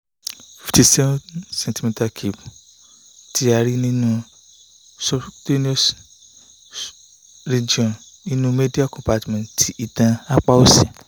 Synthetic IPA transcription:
fi˨ti˧˨se˦sɛ̃˨nti˨˧mĩ˧ta˧kʰi˨b | ti˦a˧ɾi˦nĩ˦nũ˦ | sɔ˦do˦ni˦o˦s | ɾe˨d͡ʒi˨ɔ̃˨n | nĩ˦nũ˦me˦di˦a˦˨kɔ̃˨pa˨˧tmɛ̃˨tʰi˨˦i˨tã˧a˦k͡pa˦o˦se˨

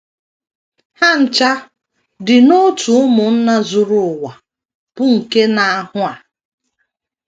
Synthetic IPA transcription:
ha˦n̩˨t͡ʃa˦ | dɪ˨no˦tu˨ʊ˦mʊ˨n̩˦na˦zʊ˨ɾʊ˨ʊ˨wa˨ | b̥ʊ˦ŋ̩˨ke˦na˨a˨hʊ˦a˨

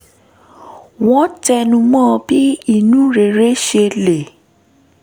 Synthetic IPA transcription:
w̃ɔ̃˦tɛ˧nũ˧mɔ̃ː˦˧bi˦i˦˨nũ˨˦ɾe˨ɾe˦ʃe˧le˨

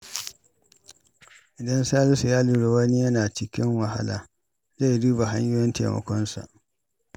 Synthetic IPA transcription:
ʔɪ˨dɐ˦nsaː˦lʊ˦su˨jaː˦luː˨ɽe˨wɐ˦ni˦jɐ˦naː˨t͡ʃɪ˨kʲɪ˦ŋwa˨ɦa̰˦la̰ː˨ | za˦jduː˦ba˨ɦa˦ɲjʊː˦jɛ˦ntḛː˨mɐ̰˨kʷɔ˦nsa̰˨ʔ

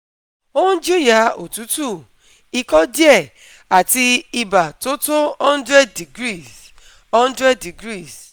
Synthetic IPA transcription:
o˦ũ˦d͡ʒu˦ja˨˦o˨tu˨˦tu˦˨ | i˧kɔ˦di˦ɛ˦˨ | a˨ti˧i˧ba˨to˦to˦ɔ˦n̩˦dɾɛ˦di˨ɡɾi˦˨s | ɔ̃˦n̩˦dɾɛ˦d̚i˨ɡɾi˦˨s

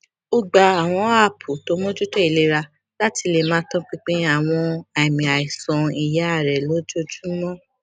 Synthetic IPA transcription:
o˧ɡ͡ba˨a˨w̃ɔ̃˧a˦˨pʰu˨to˨˦mõ˦d͡ʒu˦tɛ˦i˨le˧ɾa˧ | la˦ti˧le˨mãː˨˦tɔ̃˦k͡pi˦k͡pe˦a˦˨w̃ɔ̃˧a˨mĩ˨a˨i˨sɔ̃˨˧i˨ja˨˦a˦˨ɾɛ˨lo˨˦d͡ʒo˦d͡ʒu˦mɔ̃˦˨

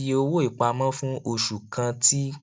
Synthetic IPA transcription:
je˧o˧wo˦i˦˨k͡pa˧mã˦fũ˦o˧˨ʃu˨kʰã˧ti˦

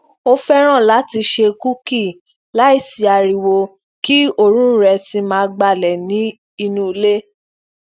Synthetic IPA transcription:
o˦fɛ˦ɾ̃ã˦˨la˨˦ti˧ʃe˧ku˦ki˦˨ | la˨˦i˦˨si˨a˨ɾi˨wo˧ | ki˦o˦ɾ̃ũ˦ɾɛ˧ti˧˦mãː˦˧ɡ͡ba˦˨lɛ˨nĩ˨˦ | i˧nũ˦˧le˦

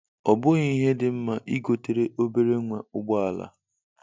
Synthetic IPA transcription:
ɔ˨bʊ˦ɣi˦ɦe˦dɪ˨m̩˦ma˨ʔi˦ɡo˨te˨ɾe˦ʔo˦be˦ɾe˦ŋʷa˨ʊ˦ɡ͡bɔ˦a˨la̰˦

